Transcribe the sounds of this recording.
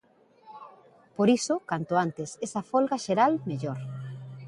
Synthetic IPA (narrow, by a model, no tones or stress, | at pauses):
poɾisokant̪oant̪esesɐfolɣaʃeɾalmeʎoɾ